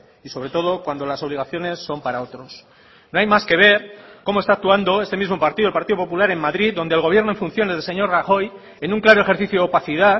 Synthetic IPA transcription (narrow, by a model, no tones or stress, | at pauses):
iso̞βɾe̞t̪o̞ðo̞kwand̪o̞laso̞β̞liɣ̞aθjo̞ne̞sːo̞mpaɾao̞t̪ɾo̞s | no̞ajmaske̞β̞e̞ɾko̞moe̞st̪ak̚t̪uand̪o̞e̞st̪e̞mizmo̞paɾt̪iðuelpaɾt̪iðopopulaɾe̞mːaðɾiðo̞nd̪elɣo̞βje̞ɾnoeɱfunθjo̞ne̞zðelse̞ɲo̞ɾraxo̞j | e̞nũŋklaɾoe̞xeɾθiθjoopaθiða